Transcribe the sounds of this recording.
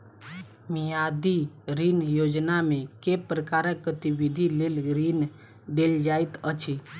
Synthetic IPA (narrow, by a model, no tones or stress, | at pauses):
mijad̪iɾinjod͡ʒnamẽkepɾəkaɾəkɡət̪ibid̪ʱilelɾin | d̪eld͡ʒait̪ət͡ʃʰi